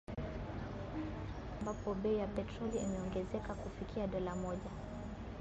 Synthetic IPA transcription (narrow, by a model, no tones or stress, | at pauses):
ambapɔɓɛijapɛtɾɔliimɛɔŋɡɛzɛkakufikʰiaɗɔlamɔʄa